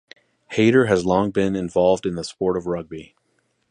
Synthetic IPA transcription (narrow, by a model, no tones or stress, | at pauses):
heɪɾə˞ɨzlɔ̃ŋbɪ̃nɨ̃ɱvɑlˠvdɨ̃nðəspɔɹɾʌvɹʌɡ̚bi